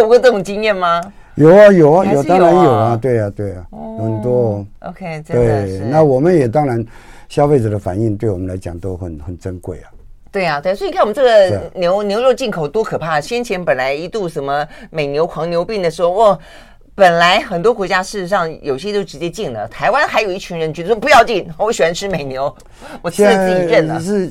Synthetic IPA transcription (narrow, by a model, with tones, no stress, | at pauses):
o˥˩ʊkʈ͡ʂɤ˥˩ʈ͡ʂʊ˨˩ŋt͡ɕi˥ŋjɛ˥˩nmɐ˩jo˨˩ʊa˧jo˨˩ʊa˦jo˨˩t̪ɑ˥ŋɻa˧˦˥njo˨˩ʊɐ˦t̪we˥˩ɪɐ˩t̪we˥˩ɪa˩˧xə˨˩nt̪wɔ˦˥ʔo̰˧ʊkʰe˥˩t̪we˥˩ɪna˥˨wɔ˨˩mə˦njɛ˨˩t̪ɑ˥ŋɻa˧˥nɕjɑ˥˧ʊfe˥˩ɪʈ͡ʂə˨˩d̪ə˦fa̰˨˩ni˥˧ŋt̪we˥˩ɪwɔ˨˩mə˦nla˧˥ɪt͡ɕjɑ̰˨˩ŋt̪o˥ʊxə˨˩nxə˨˩nʈ͡ʂə˥nkwe˥˩ɪɐ˨˩t̪we˥˩ɪɐ˩t̪we˥˩sɔ˧˥˧kʰwm˧˦˥ʈ͡ʂɤ˥˩ɡə˩njo˧˥ʊnjo˧˥ʊɻo˥˧t͡ɕi˥˩ŋkʰo˨˩ʊt̪wɔ˥kʰɤ˨˩pʰa˥˩ɕjɛ˥nt͡ɕʰjɛ˧˥npə˨˩nla˧˥ɪi˧˥t̪u˥˩ʂə˨˩nmə˧me˨˩ɪnjo˧˥ʊkʰwɑ˧˥ŋnjo˧˥ʊpi˥˩ŋd̪ə˩ʂɻ̩˧˥xo˥˧wɔ˥˩ | pə˨˩nla˧˥ɪxə˨˩nt̪wɔ˥kwɔ˧˥t͡ɕja˥ʂɻ̩˥˩ʂɻ̩˧˥ʂɑ˥˩ŋjo˨˩i˧ɕjɛ˥t̪o˥ʊʈ͡ʂɻ̩˧˥t͡ɕjɛ˥t͡ɕi˥˩ŋlə̰˩t̪ʰa˧˥ɪwa˥nxa˧˥ɪjo˨˩ʊi˥˩t͡ɕʰy˧˥nɻə˧˥nt͡ɕɛ˧˥d̪ə˧˩ɔ˥pu˧˥jɑ˥˧ʊt͡ɕi˥˩ŋɔ˧˥ɕɛ˧˥nʈ͡ʂʰɻ̩˥me˨˩ɪnjo˧˥ʊ | wɔ˨˩ɛ˥i˥˧ʈ͡ʂə˥˩nə˩ʂɻ̩˥˧